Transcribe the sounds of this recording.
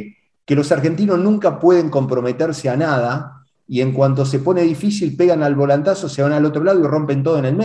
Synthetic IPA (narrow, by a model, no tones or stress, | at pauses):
kelo̞saɾxe̞nt̪̬ino̞snũŋkapwe̞ð̞e̞ŋko̞mpɾo̞me̞t̪eɾseanað̞a | ie̞ŋkwant̪̬o̞s̬e̞po̞ne̞ðifis̬ilpe̞ɣanalβo̞lant̪aso̞seβanalo̞t̪ɾo̞laðoiro̞mpent̪̬o̞ð̞oenelme